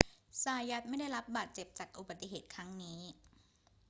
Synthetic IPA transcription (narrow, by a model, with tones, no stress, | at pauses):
saː˧ja˦˥t̪̚ma˥˩jda˥˩jɾa˦˥p̚baː˨˩t̪̚t͡ɕe˨˩p̚t͡ɕaː˨˩k̚ʔu˨ba˨˩t̪ːi˨ɦeː˨˩t̪̚kʰɾa˦˥ŋniː˦˥